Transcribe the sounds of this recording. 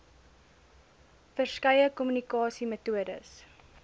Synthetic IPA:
fərskɐjəkɔmynikɑːsimətuədə̰s

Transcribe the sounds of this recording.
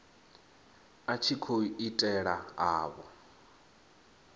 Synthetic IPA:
at͡ʃʰikʰoiitʼɛɺaɦaːβɔ̰

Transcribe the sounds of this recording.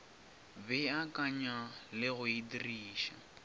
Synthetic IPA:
bɛakaɲalɪɣʊidiriːʃa̰

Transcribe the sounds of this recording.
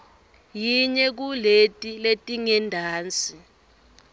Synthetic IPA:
jiɲɛk̬uletʼiletʼiŋɛndʱaːnt͡sʼi

